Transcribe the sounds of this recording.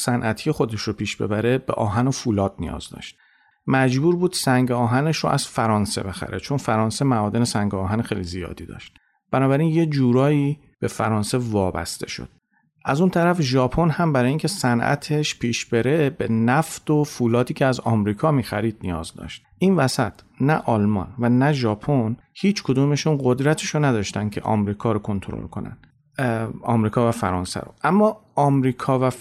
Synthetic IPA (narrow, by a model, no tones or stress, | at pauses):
sænʔæt̪ʰijexo̞d̪e̞ʃɾopʰiːʃb̥e̞̰bæɾe̞b̥e̞̰ʔɒːɦænofulɒːd̪̥̚nḭjɒ̰ːzd̪ɒ̰ːʃt̪̚ | mæd͡ʒbuːɾbuːd̪̥sæŋɟeɒːɦæne̞ʃɾo̰ʔæz̥fæɾɒːnse̞̰be̞xæ̰ɾet͡ʃʰo̞nfæɾɒːnse̞mæɒːd̪enesæŋɟoɒːɦænxḛjlizijɒ̰ːd̪iːd̪ɒ̰ːʃt̪̚ | b̥ænɒːbæɾinje̞d͡ʒuːɾɒːiː | b̥e̞fæɾɒːnse̞vɒːbæ̰st̪e̞̰ʃo̰d̪̥ | ʔæzunt̪ʰæɾæfʒɒːpʰo̞nhæmbæɾɒːjiŋcʲʰe̞sænʔæ̰t̪ʰeʃpʰiːʃb̥e̞ɾebenæfd̪̥ofuːlɒːd̪iːcʰeæzɒ̰mɾiːkʰɒːmiːxæ̰ɾiːd̪̚nijɒ̰ːzd̪ɒ̰ːʃt̪̚ʔiːnvæsæ̰t̪ʰ | næʔɒlmɒ̰nvænæʒɒːpʰon | hiːt͡ʃʰkʰod̪uːme̞ʃunɢo̞d̪ɾæt̪ʰeʃonæd̪ɒːʃt̪æn̚cʰe̞̰ʔɒ̰mɾiːkʰɒːɾokʰo̞nt̪ʰoɾo̰lkʰo̞̰næ̰nd̪ | ɒ̰ːmɾiːkʰɒːvæfæ̰ɾɒːnsæ̰ɾo̰ʔæmːɒːɒːmɾiːkʰɒːvæ